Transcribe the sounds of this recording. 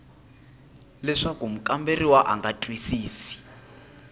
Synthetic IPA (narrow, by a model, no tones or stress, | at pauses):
lɛʂakum̩kʼamberiwaʔa̰ŋɡatʼwisiːsi̥